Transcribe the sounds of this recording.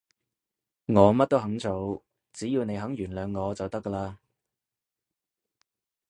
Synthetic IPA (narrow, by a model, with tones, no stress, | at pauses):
ŋɔː˨˧mɐ˥t̚t̪o˥wɦɐ˨˥ŋt͡sʰo˨˥w | t͡siː˨˥jiː˧wne˨˧jɦɐ˨˥ŋjyː˨˩nlœː˨˧ŋːɔː˨˧t͡sɐ˨wt̪ɐ˥kːə˧laː˧